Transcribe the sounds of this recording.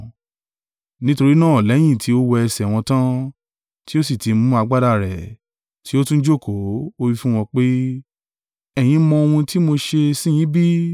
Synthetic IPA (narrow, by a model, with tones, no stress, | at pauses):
nĩ˦to˧ɾi˦nãː˦˨lɛ˨˦j̃ĩ˦˨ti˨˦o˦wɔ˧ɛ˧sɛ˨w̃ɔ̃˧tã˦ | ti˦o˦si˦˨ti˨˧mũ˦a˧ɡ͡ba˦da˧˨ɾɛ˨ | ti˨˦o˦tũ˦n̩˦d͡ʒo˦˨kʰo˨˦o˦wi˦fũ˦w̃ɔ̃˧k͡pe˦ | ɛ˦˨j̃ĩ˧˦mɔ̃˧o˧wũ˧ti˦mo˧ʃe˧sĩ˦j̃ĩ˨˦bi˦